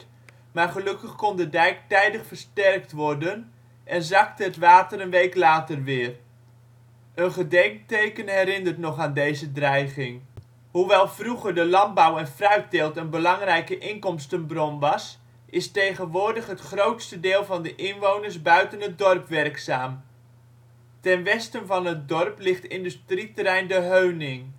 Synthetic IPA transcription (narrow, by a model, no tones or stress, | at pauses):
maːrχəlɵkəχkɔndədɛjk̚tɛjdəχfərstɛrktʋɔrdən | ʔɛnzɑktəətʋaːtərənʋejklaːtərʋɪːər | ʔənχədɛŋk̚tejkənɦɛɾɪndərtnɔχaːndejzədrɛjχɪŋ | huʋɛlˠv̥ruɣərdəlɑmbɔwɛnfrœɥt̚dɪlˠtənbəlɑŋrɛjkəʔɪŋkɔmstənbrɔnʋɑs | ʔɪstejχənʋʊːdəχɦətχrowtstədɪːlˠvɑndəʔɪnʋownərsbœɥtənɦət̚dɔrpʋɛrksaːm | tɛnʋɛstənvɑnɦət̚dɔrplɪχtɪndystritəɾɛjndəɦøɥnɪŋ